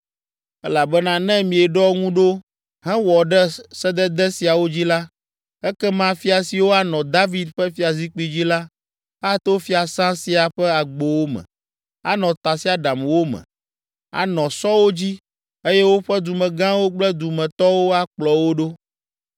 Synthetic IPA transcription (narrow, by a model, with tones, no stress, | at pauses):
ɛ˦la˨bɛ˦nã˦nɛ̃˦mĩ˨ɛ˨ɖɔ˦ŋũ˦ɖo˦ | ɦɛ̃˦wɔ˨ɖɛ˦sɛ˦d̪ɛ˦d̪ɛ˦si˨a˨wo˦d͡ʑi˦la˦ | ɛ˦kɛ˦mã˦fi˦a˨si˨wo˦a˦nɔ̃˨d̪a˦vi˦d̪ɸɛ˦fi˦a˨zi˦k͡pi˦d͡ʑi˦la˦ | a˦t̪o˦fi˦a˨sã˦si˨a˨ɸɛ˦a˨ɡ͡bo˨wo˦mɛ̰̃˨ | a̰˦nɔ̃˨t̪a˨si˦a˨ɖa˨mwo˦mɛ̰̃˨ | a̰˨nɔ̃˨sɔ˦wo˦d͡ʑi˦ | e˦jɛ˦wo˦ɸɛ˦d̪u˨mɛ̃˨ɡã˦wo˦k͡plɛ˦d̪u˨mɛ̃˨t̪ɔ˦wo˦a˦k͡plɔ˨wo˦ɖo˦